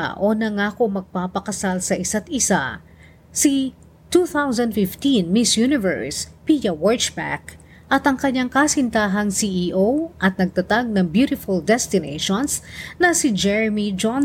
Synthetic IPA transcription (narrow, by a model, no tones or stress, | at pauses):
ʔonɐŋako̞mɐɡ̚paːpɐkɐsalsɐʔɪsat̪ɪsa̰ | si | t̪uːθawsɐ̃nd̪fɪft̪inmɪsjunɪvɛ̰ɹspijɐwɔɹt͡ʃbɛ̰k | ʔɐt̪ʔɐŋkɐɲːaŋkasɪnt̪aːɦɐŋsiʔiʔowʔɐt̪̚nɐɡ̚t̪ɐt̪aɡ̚nɐŋbjuɾɪfʊld̪ɛst̪ɪnḛjʃonsnɐsɪd͡ʒɛɹɛmid͡ʒon